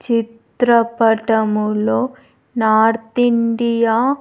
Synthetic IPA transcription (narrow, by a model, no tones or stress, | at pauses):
t͡ʃit̪ɾɐpɐʈɐmuloː | naːɾt̪iɳɖijaː